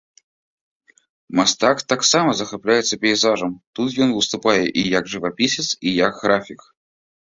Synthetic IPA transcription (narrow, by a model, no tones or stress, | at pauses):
mast̪akt̪aksaməzəxaplʲajɪt̪səpʲɪɪzaʐəmt̪ut̪jonvɨst̪ʊpajɪʔijakʐɨvapʲisʲɪt̪sijakɣɾafʲɪk